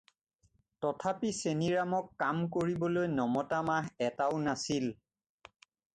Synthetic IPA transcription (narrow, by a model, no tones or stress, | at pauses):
tɔtʰapiseniɹamɔkːamkoɹibɔlojnɔmɔtamaɦɛtaʊnasil